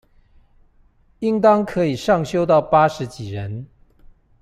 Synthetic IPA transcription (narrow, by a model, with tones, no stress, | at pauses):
i˦˥ŋt̪ɑ˥ŋkʰɤ˧˥i˨˩ʂɑ˥˩ŋɕjo˥ʊt̪ɑ˥˩ʊpa˥ʂɻ̩˧˥˦t͡ɕi˨˩ɻə˨˦n